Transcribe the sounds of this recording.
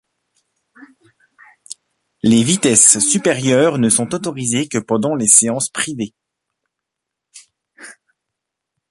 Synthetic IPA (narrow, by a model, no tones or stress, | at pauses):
levit̪ɛsːypɛʁjœːʁnəsɔ̃t̪ot̪ɔʁizekəpɑ̃d̪ɑ̃leseɑ̃spχive